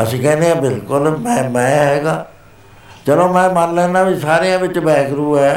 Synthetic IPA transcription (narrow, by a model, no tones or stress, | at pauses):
əsiːkɛːnd̪eãːbɪlkʊlmɛ̃ːmɛ̃ːɦɛːɡaː | t͡ʃəloːmɛ̃ːmaːnlɛ̃ːnaːbʱisaːɾejãːʋɪt͡ʃbɛːkɾuːɦɛː